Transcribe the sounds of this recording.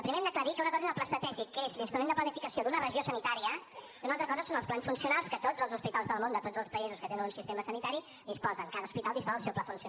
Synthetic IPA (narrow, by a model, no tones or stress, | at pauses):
əpɾimeɛmd̪əkləɾikəunəkɔzəðəplast̪ət̪ɛʒikːezlinst̪ɾumenəplənifikəsiod̪unərəʒiosənit̪aɾiə | unalˠt̪ɾəkɔzəsonəlˠsplansfunsiunalˠskət̪ozəlˠzuspit̪alˠzðəlˠmond̪ət̪od͡zzəlˠspəizuskət̪enənunsist̪eməsənit̪aɾi | ðispɔzəŋkaðəuspit̪alˠd̪ispɔzəlˠsɛwplafunsi